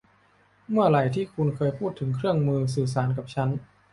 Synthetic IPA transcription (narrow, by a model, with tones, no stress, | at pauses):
mɯ˥˩ɐɾa˨˩jt̪ʰiː˥˩kʰu˧nkʰɤː˧jpʰuː˥˩t̪ʰːɯ˩˦ŋkʰɾɯ˥˩əŋmɯː˧s̬ɯː˨˩s̬aː˩˦nka˨˩p̚t͡ɕʰa˦˥n